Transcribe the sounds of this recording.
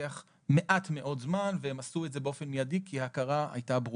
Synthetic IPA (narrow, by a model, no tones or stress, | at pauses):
aχ | me̞ʔatme̞ʔo̞tzmanveemasuetzebeo̞fe̞nmijadikʰiakaʁaa̰jtabʁu